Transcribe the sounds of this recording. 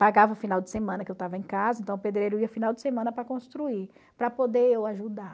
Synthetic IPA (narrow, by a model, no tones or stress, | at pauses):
paɡavɐʊfinawd͡ʒɪsemɐ̃nɐkɪewt̪avɐẽkazɐẽt̪ɐ̃w̃ʊped̪ɾejɾʊiɐʊfinawd͡ʒɪsemɐ̃nɐpɾɐkõst̪ɾui | pɾɐpod̪eewaʒud̪a